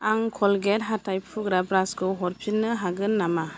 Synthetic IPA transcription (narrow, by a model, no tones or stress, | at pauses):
aŋkʰɔlɡɛtɦatajpʰuɡɾabɾasɡɯɦɔɾpʰinːɯɦaɡɯnːama